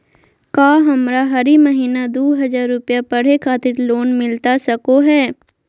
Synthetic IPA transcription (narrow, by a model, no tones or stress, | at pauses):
kaːɦɐmɾaɦɐɾimɐɦiːnad̪oːɦɐd͡ʒaːɾːʊpjapɐɽ̤ekʰaːt̪ɪɾloːnmɪlt̪asɐkoɦɛː